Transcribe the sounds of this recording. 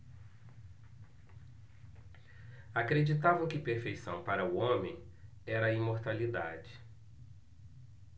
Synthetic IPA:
akɾed͡ʒit̪avɐ̃w̃kɪpeɾfejsɐ̰̃w̃paɾɐʊõmẽj̃ | ɛɾɐĩmoɾt̪alid̪a̰d͡ʒɪ̥

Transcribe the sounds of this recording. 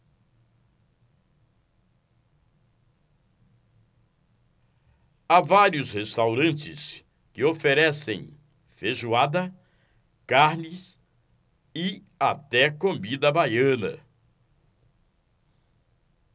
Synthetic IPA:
avaɾiʊshest̪awɾɐ̃nt͡ʃɪs | kɪofeɾɛsḛ̃j̃ | feʒuad̪ɐ | kaɾnɪs | ɪ | at̪ɛkõmid̪ɐbajɐ̃nɐ̰

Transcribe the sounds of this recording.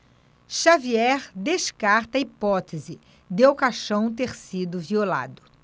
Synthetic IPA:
ʃaviɛɾd̪eʃkaɾt̪ɐipɔt̪ezɪ | d̪eawkaʃɐ̃w̃t̪eɾsid̪ʊviola̰d̪ʊ

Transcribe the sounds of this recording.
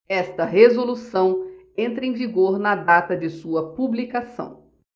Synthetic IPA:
ɛst̪ɐɦezolusɐ̃w̃ | ẽnt̪ɾẽviɡoɾnɐd̪at̪ɐd͡ʒɪsuɐpublikasɐ̰̃w̃

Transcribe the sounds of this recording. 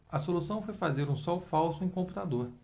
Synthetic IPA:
ɐsolusɐ̃w̃fojfazeɾũsɔwfawsʊẽj̃kõmput̪ad̪oɾ

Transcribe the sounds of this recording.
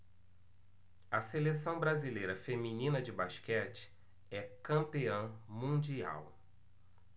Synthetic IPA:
ɐselesɐ̃w̃bɾazilejɾɐfemĩnĩnɐd͡ʒɪbaʃkɛt͡ʃɪ̥ | ɛkɐ̃mpiɐ̃w̃mũd͡ʒia̰w

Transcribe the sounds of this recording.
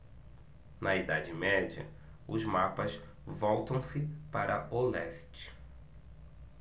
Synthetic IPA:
nɐid̪ad͡ʒɪmɛd͡ʒiɐ̰ | ʊzmapɐs | vɔwt̪ɐ̃w̃sɪpaɾʔɐolɛst͡ʃɪ̥

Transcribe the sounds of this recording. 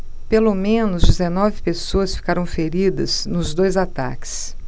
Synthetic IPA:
pelomẽnʊzd͡ʒizenɔvɪpesoɐsfi̥kaɾɐ̃w̃feɾid̪ɐznʊzd̪ojzat̪a̰kɪ̥s

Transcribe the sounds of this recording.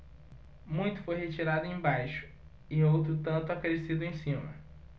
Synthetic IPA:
mũj̃t̪ʊ̥fojhet͡ʃiɾad̪ʊẽj̃bajʃʊ̥ | ɪowt̪̬ɾʊt̪ɐ̃nt̪ʊakɾesid̪ʊẽj̃sĩmɐ̰

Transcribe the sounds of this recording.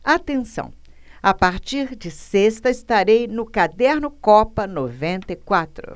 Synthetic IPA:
at̪ẽsɐ̰̃w̃ | apaɾt͡ʃiɾd͡ʒɪsest̪ɐɪst̪aɾejnʊkad̪ɛɾnʊkɔpɐnovẽnt̪ɐikwat̪ɾʊ̰

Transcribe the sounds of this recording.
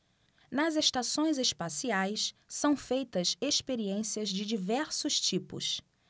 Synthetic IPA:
nɐzeʃt̪asõj̃zespasiajssɐ̃w̃fejt̪ɐzeʃpeɾiẽsiɐzd͡ʒɪd͡ʒivɛɾsʊʃt͡ʃipʊ̰s

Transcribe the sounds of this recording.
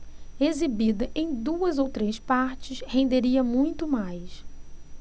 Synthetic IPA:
ezibid̪ɐʔẽj̃d̪uɐzowt̪ɾespaɾt͡ʃɪshẽnd̪eɾiɐmũj̃t̪ʊmajs

